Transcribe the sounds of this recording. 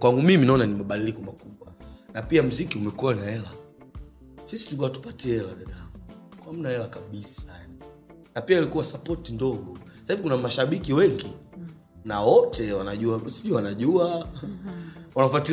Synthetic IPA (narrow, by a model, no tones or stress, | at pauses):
kwaŋɡumiminaɔnanimaɓadilikɔmakuɓwanapiam̩zikiumɛkuwanaɛla | sisi̥tukawatu̥patɛɛlaɗaɗamukwam̩naɛlakaɓisa | napiailikuwasapɔtindɔɡɔsasaivikunamaʃaɓikiwɛŋɡi | nawɔtɛwanaʄuasiʄuwanaʄua | wanaf̬ati